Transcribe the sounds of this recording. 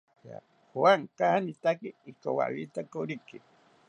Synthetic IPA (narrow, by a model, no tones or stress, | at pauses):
a̰ | hwaŋkahanit̪akiːkowa̰βit̪akoɾiki